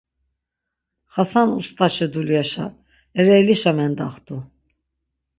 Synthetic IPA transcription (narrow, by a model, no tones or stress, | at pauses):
χasanṵst̪ʰaʃɛd̪uljaʃa̰ | ɛɾɛliʃamɛnd̪aχt̪u